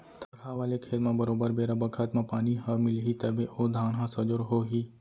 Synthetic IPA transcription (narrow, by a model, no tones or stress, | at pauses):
t̪ʰɐɾɦaʋaːlekʰeːlmãbəɾoːbəɾbeːɾabəkʰət̪mãpaːniɦəmɪlɦit̪əbʱeʔod̪ʱaːnɦãsəd͡ʒoɾɦoːɦiː